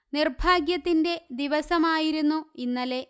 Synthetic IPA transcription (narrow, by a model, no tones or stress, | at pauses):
nirbʱaːɡjɐt̪ːinde̞d̪iʋɐsɐmaːjiɾunːuinːɐle̞